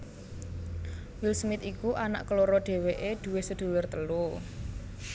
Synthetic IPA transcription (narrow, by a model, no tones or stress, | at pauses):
wilsmɪt̪ikuʔana̰ʔkəloɾɔɖ̪̥e̤weʔed̪̥ṳwesəd̪̥ṳlʊrt̪əlu